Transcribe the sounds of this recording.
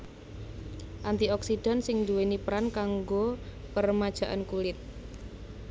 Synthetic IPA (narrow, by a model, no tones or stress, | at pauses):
ʔant̪iɔksid̥a̤nsɪŋd̪uwenipɾankaŋɡo | pərmad̥ʒ̥a̤ʔa̰nkulɪt̪̚